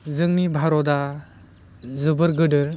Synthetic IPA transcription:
zɯŋnibʱaɾɔda | zɯbɯɾɡɯdɯɾ

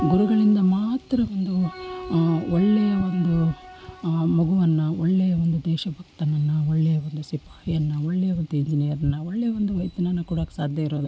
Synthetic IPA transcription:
ɡuɾuɡɐɭind̪ɐmaːt̪ɾɐʋond̪u | ɔɭːɛjɐʋond̪u | moɡuʋɐnːɐɔɭːɛjɐʋond̪ud̪ɛːʃɐbʱɐk̚t̪ɐnɐnːɐoɭːɛjɐʋond̪usipḁːhijɐnːɐoɭːɛjɐʋond̪uiɲd͡ʒinijɐɾɐnːɐoɭːejɐʋond̪uʋɐjt̪ɐnɐnːɐkuːɽɐksaːd̪ʱjɐiɾo̞ːd̪u

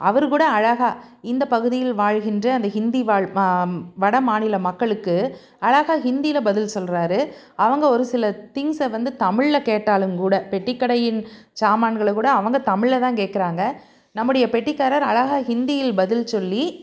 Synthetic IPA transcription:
ɐʋɐɾkuːɽɐːɻɐɣaː | ɪnd̪ɐpɐɣɯðɪjɪlʋaːɻɣɪndrɐɐnd̪ɐɦɪnd̪iʋaːɭ | ʋɐɽɐmaːnɪlɐmɐkːɐɭɯkːɯ | ɐɻɐɣaːɦɪnd̪ɪjlɐbɐðɪlsɔlɾaːɾɯ | ɐʋɐŋɡɐɔɾɯsɪlɐt̪ɪŋsɐʋɐnd̪ɯt̪ɐmɪɻɐkeːʈːaːlɯmkuːɽɐpɛʈːɪkːɐɽɐjɪnt͡ʃaːmaːɳɡɐɭɐkuːɽɐːʋɐŋɡɐt̪ɐmɪɻɐt̪ãːŋkeːʈ̚kɪɾaːŋɡɐ | nɐmːɯɽɐjɐpɛʈːɪkːaːɾɐɾɐɻɐɣaːɦɪnd̪ɪjɪlbɐðɪlsɔlːi

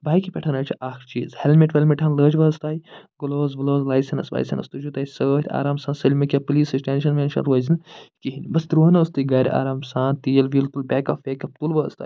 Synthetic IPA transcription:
baːjkipʲɛʈʰɐnɐːt͡ʃʰiʔaːxɾt͡ʃḭːzhelmʲeʈʋɐlʲmiʈʲʰɐnləːd͡ʒʋɐːst̪aːjɡuloːzʋɐloːzlaːjsɐnɐsʋa̰ːjsʲɐ̰nɐ̰st̪ud͡ʒut̪aːisəːt̪ʲʰa̰ːɾaːmsãːnsɐlʲmɐkʲapɨliːsɨsʈʲenʃɐnʋʲenʃɐ̰nɾɐːzʲinkiɦinʲbɐsd̪ɾuːɐnɐst̪ɨɡɐɾʲa̰ːɾaːmsaːnt̪ijɐlʋiːlt̪ulbʲɛːkɐfeːkɐp̚t̪ulʋɐːst̪a̰ːj

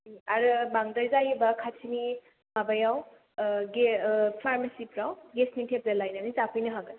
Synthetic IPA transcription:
aɾɯbaŋdajzajebakʰat͡ʃʰini | mabajaw | ɡepʰaɾmasipɾawɡesnitʰep̚zalajnanizapʰɯjnɯɦaɡɯ

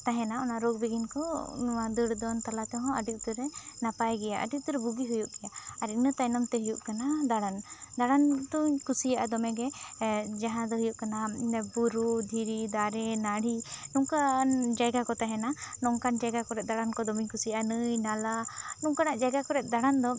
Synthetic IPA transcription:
t̪aɦɛ̃naɔnaʔɾoɡ̚biɡinkɔnuwad̪əɽd̪ɔnt̪alat̪ɛɦɔ̃əɖiʔ̚t̪uɾɛnapajɡɛjaʔə̰ɖik̚t̪uɾɛbuɡiɦujuʔɡɛjaaɾinət̪ajnɔmt̪ɛɦujuʔkanad̪aɽand̪aɽant̪uɲkusijaʔad̪ɔmɛɡɛ | d͡ʒaɦãd̪ɔɦujuʔkanabuɾud̪ʱiɾid̪aɾɛnaɽ̤inuŋkand͡ʒajɡakɔt̪aɦɛnanɔŋkand͡ʒajɡakɔɾɛt̪̚ˀd̪aɽankɔd̪ɔmiɲkusijaʔanɨjnalanuŋkanaʔd͡ʒajɡakɔɾɛt̪̚ˀd̪aɽand̪ɔ

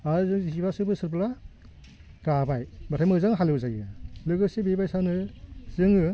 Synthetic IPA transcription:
aɯzɯŋziibasɯbɯsɯɾpla | kabajbatʰajmɯzaŋɦalɯwzajɯlɯɡɯsibebajsanɯz̥ɯŋɯ

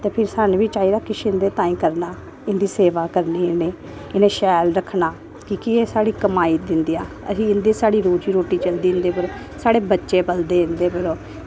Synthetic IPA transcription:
t̪eːpʰɪɾsaːnʋiːt͡ʃaːiːɾaːkɪʃɪnd̪eːt̪ãːĩːkəɾnaː | ɪnd̪iːseːʋaːkəɾniːɪneː | ɪneːʃɛːlɾəkʰːnaː | kikieːsaːɽiːkəmaːiːd̪ɪnd̪ijaː | ə̰sĩːɪnd̪eːsaːɽiːɾoːt͡ʃiːɾoːʈːiːt͡ʃəld̪ĩːnd̪eːpəɾ | saːɽeːbətːʃeːpəld̪eːɪnd̪eːpəɾoː

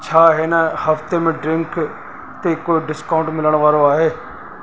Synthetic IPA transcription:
t͡ʃʰaːɦenɛhɐft̪emẽɖɾɪ̃ŋk | t̪ekoːeɖɪskaʊ̃ɳʈmɪləɽ̃ʋaːɾoaːɦeː

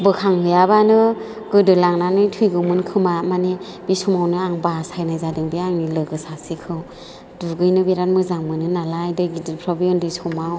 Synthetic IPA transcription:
bɯkʰaŋhɯjabanɯ | ɡɯdɯlaŋnanɯjtʰujɡɯmɯnkʰɯmamane | bisumawnɯaŋbasajnajzadɯŋbiaŋnilɯɡɯsasikʰɯw | duɡɯjnɯbeɾat̚mɯzaŋmɯnɯnalajdɯjɡidɯpʰɾɔbiɔndɯjsumaw

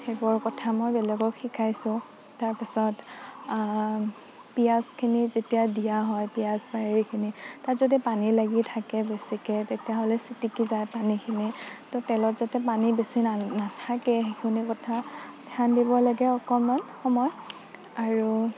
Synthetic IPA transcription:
xɛbɔɹkɔtʰamɔjbɛlɛɡɔkxikʰajsʊ̃ | taɹpisɔt | pijaskʰinizetijadijaɦɔjpijasbaɦiɹikʰinitatzɔdipanilaɡitʰakɛbesikɛtetijaɦolɛsitikizajpanikʰinitɔtɛlɔtzatɛpanibesinanatʰakɛxekʰunikɔtʰadʱʰandibɔlaɡɛɔkɔmɔnxɔmɔj | aɹu

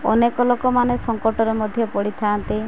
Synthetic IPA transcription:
ɔ̰nekɔlokɔmanesɔŋkɔʈɔɾemɔd̪ʱjɔpɔɽit̪ʰant̪i

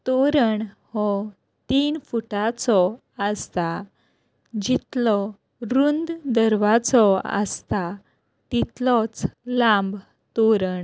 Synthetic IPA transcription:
t̪oɾəɳ | hɔ | t̪iːnfuʈat͡sɔ | əst̪a | d͡ʑit̪lɔ | ɾund̪d̪əɾʋat͡sɔə̰st̪a | t̪it̪lɔt͡slãmb | t̪oɾəɳ

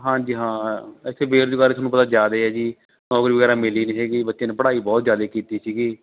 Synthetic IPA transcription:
ɦãːd͡ʒiːɦãːɪt̪ʰːeːbeːɾd͡ʒʊɡaːɾet̪ʰːnũpət̪aːd͡ʒjaːd̪eɛːd͡ʒiː | nɔːkɾiːʋəɡɛːɾaːmɪliːnĩːseːɡiːbət̪ːʃẽːneːpəɽaːiːbɔːt̪zjaːd̪eːkiːt̪iːsiːɡiː

